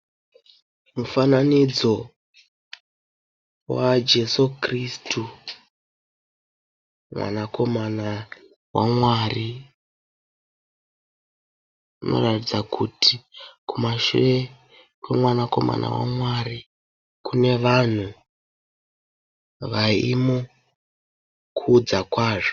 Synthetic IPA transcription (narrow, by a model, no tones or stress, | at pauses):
mufananid͡zo̞ | wad͡ʒe̞sukristʰu | mwa̰nako̞mana | wa̰mwari | uno̞̰ratid͡zakʰutʰikumaʃuʋe | kwemwanako̞ma̰na̰wa̰mwari | kune̞ʋan̤u | ʋaimo | kʰuːd͡zakwaːʐo